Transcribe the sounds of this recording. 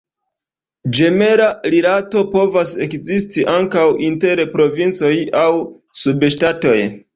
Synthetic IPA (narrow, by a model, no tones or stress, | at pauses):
d͡ʒe̞me̞ɾaɾiɾato̞po̞vase̞kzistiʔaŋkawʔinte̞ɾpɾo̞vint͡so̞jaw | subʃtato̞j